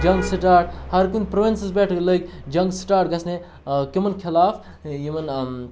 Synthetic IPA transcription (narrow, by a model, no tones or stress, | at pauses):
d͡ʒɐ̃ŋɡsiʈaːɾʈhɐɾkunpɾoʋinsisbɛʈʰləkd͡ʒɐŋɡsi̥ʈaːɾʈɡɐsne | kimɐnkʰilaːf | jimɐn